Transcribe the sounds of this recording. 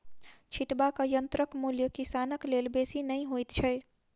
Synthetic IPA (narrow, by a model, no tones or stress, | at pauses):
t͡ʃʰiʈbakəjənt̪ɾəkmuljəkisanəklelbesinəjɦojt̪t͡ʃʰəj